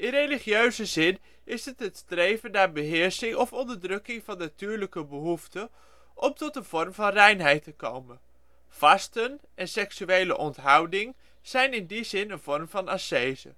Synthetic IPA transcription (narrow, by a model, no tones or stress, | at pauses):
ʔɪnrejliχiøɥzəzɪn | ɪsɦətɦətstrejvənːaːɹbəɦɪːɹsɪŋɔfɔndəɹdrɵkɪŋvɑnːatyːɹləkəbəɦuftə | ʔɔmtɔtənv̥ɔrmvɑnrɛjnɦɛjtəkowmən | v̥ɑstənʔɛnsɛksyejlə̰ʔɔntɦɑwdɪŋ | z̥ɛjnɪndizɪnənv̥ɔrmvɑnasejzə̰